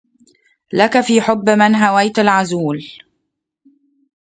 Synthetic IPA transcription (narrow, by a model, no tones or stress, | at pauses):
lakafiːħʊbːmɪnɦawajt̪alʕazuːl